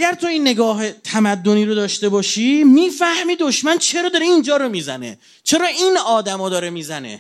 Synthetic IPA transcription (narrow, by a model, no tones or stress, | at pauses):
æɡæɾt̪ʰo̞inːe̞ɡɒːɦet̪ʰæmæd̪ːo̞niːɾo̞d̪ɒːʃt̪e̞bɒːʃiːmiːfæhmiːd̪o̞ʃmænt͡ʃʰe̞ɾɒːd̪ɒːɾeind͡ʒɒːɾo̞miːzæne̞̰ | t͡ʃʰe̞ɾɒːinɒːd̪æmɒːd̪ɒːɾemiːzæne̞̰